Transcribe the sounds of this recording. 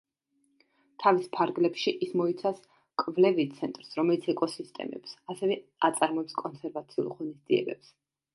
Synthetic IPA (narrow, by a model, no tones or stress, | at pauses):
t̪ʰavispʰaɾɡlɛpʃiʔismɔit̪sʰas | kʼvlɛvit̪sʰɛnt̪ʼɾsɾɔmɛlit̪sʰɛkʼɔsist̪ʼɛ̰mɛ̰psasɛvɛat̪sʼaɾmɔɛpskʼɔnsɛɾvat̪sʰiṵlˠʁɔnisd̪ziɛ̰bɛps